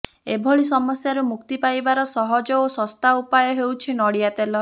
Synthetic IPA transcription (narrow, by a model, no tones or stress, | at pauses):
ebʱɔɭisɔmɔsjaɾumukt̪ipajbaɾɔsɔɦɔd͡ʒɔosɔst̪aupajɔɦewt͡ʃʰinɔɽiat̪elɔ